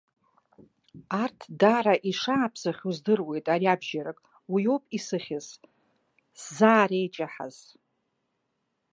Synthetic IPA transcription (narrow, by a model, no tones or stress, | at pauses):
artʰdaɾaʔiʂaːpʰzaχʲuzdɨrwe̞jtʼaɾiabʒaɾakʼ | wijopʼisɨχʲɪz | szaːɾejt͡ʃʼaħa̰z̥